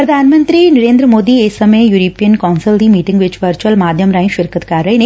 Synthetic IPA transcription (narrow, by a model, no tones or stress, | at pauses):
pɾɐd̪ʱaːnɐmɐnd̪ɾinɐɾeːnd̪ɾɐmoːd̪iesɐmeːjuːɾoːpijɐnkaːnsɐlʈimiːʈɪŋɡʋɪt͡ʃʋɐɾt͡ʃɐlmaːd̪ʱjɐmɾaːj̃ʃʋɪɾkɐt̪kaːɾɾɐɪn